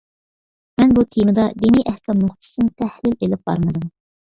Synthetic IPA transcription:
mɛnbut̪ʰemɨd̪ɑd̪eniʔɛhkʰʲɑmnuχt̪ʰɨ̥sɨnnt̪ʰɛhlɪlelɪp̚b̥ɑ̰ɾmɨd̪ɨm

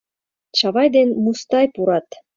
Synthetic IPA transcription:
t͡ɕɑβɑjd̪enmust̪ɑjpuɾɑt̪

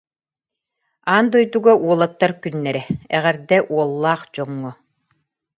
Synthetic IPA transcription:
aːnd̪ɔjd̪uɡaʔuɔlˠat̪ːaɾkynːɛɾɛɛ̰ʁɛɾd̪ɛʔuɔlˠːaːχd͡ʑɔŋːɔ

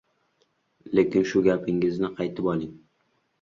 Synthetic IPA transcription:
le̞kʲɪnʃʊɡʲapʰɪŋɪznɪqʰɑjt̪ʰɪpɒlˠɪŋ

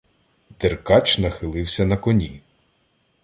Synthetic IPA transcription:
d̪̥erkɑt͡ʃnɐxɪlˠɪwsʲɐnɐkɔnʲi

